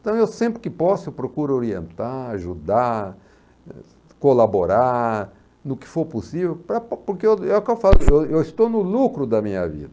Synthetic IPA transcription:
t̪ɐ̃w̃ewsẽmpɾɪkɪpɔsʊpɾokuɾʊoɾiḛ̃nt̪aaʒud̪aɾ | kolaboɾa | nʊkɪ̥foɾposivewpɾɐpʊɾkeewɛʊkɪewfasʊewewɪst̪onʊlukɾʊd̪ɐmĩɲɐ̰vḭd̪ɐ

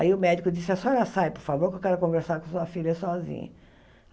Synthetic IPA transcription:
aiʊmɛd͡ʒikʊd͡ʒisɪasɔɛlɐsajpoɾfavoɾkewkɛɾʊkõveɾsaɾkõsuɐfilɐsɔzḭ̃ɲɐ̰

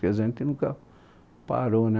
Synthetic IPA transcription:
kezent̪inuka | pa̰ɾon

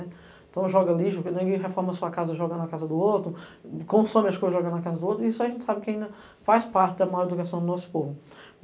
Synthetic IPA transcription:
nɛ | ẽt̪ɐ̃w̃ʒɔɡɐliʒʊknẽɡẽɦefɔɾmɐsuɐkazɐʒɔɡɐ̃nnɐkazɐd̪ʊowt̪ɾʊkõsõmɪɐskojzɐʒɔɡɐ̃d̪ʊnɐkazɐd̪ʊot̪ɾʊiisʊaʒẽnt͡ʃɪ̥sabɪkɪaĩd̪ɐ | fajspaɾt͡ʃɪd̪ɐmajɔɾed̪ukasɐ̃w̃d̪ʊnɔsʊ̥povʊ

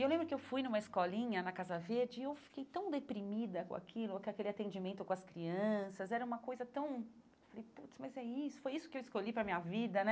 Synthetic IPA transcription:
ewlẽbɾʊkɪewfujnũmɐɪskɔlĩɲɐnɐkazɐveɾd͡ʒɪːewfi̥kejt̪ɐ̃w̃d̪epɾimid̪ɐkõ̰a̰kʰilʊkɪakelɪat̪ẽnd͡ʒimẽnt̪ʊkõɐskɾiɐ̃sɐzɛɾɐũmɐkojzɐt̪ɐ̃w̃ | ewfalejput̪smɐjzɛisʊ̥fojisʊkɪewɪskolʎipɾɐmĩɲɐvid̪ɐnɛ

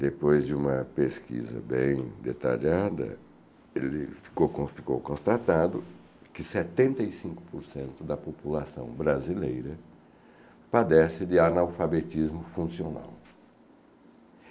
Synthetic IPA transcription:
d̪epojzd͡ʒɪũmɐpeskḭzɐ̰bḛ̃j̃d̪et̪a̰ʎad̪ɐ̰ | elɪfi̥kowkõfi̥ko̰wkõst̪at̪ad̪ʊ | kɪset̪ẽnt̪ɐisĩŋkʊ̥poɾsẽnt̪ʊd̪ɐpopulasɐ̰̃w̃bɾazilejɾɐ | pad̪ɛsɪd̪ɪanawfabet̪izmʊfũsiona̰w

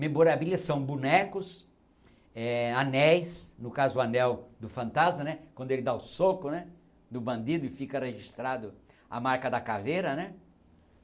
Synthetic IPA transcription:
mẽmboɾabilɐsːɐ̃w̃bunɛkʊs | ɛanɛjsnʊkazʊanɛwd̪ʊfɐ̃nt̪azmɐnɛkwɐ̃d̪ʊelɪd̪aʊsokʊnɛ | d̪ʊbɐ̃nd̪id̪ʊɪfikɐreʒist̪ɾad̪ʊ | a̰maɾkɐd̪ɐkavejɾɐnɛ

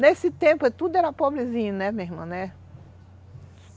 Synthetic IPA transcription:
nesɪt̪ẽpʊɛt̪ud̪ʊɛɾɐpobɾɪzĩɲɐnɛmeɦmɐ̃nɛ

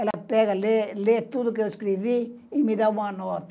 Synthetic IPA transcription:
ɛlapɛɡalelet̪ud̪uk̬eoskɾiʋi | imid̪awãnɔt̪

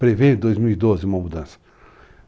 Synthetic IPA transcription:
pɾevẽd̪ojzmiwid̪ozɪũmɐmud̪ɐ̃sɐ̥

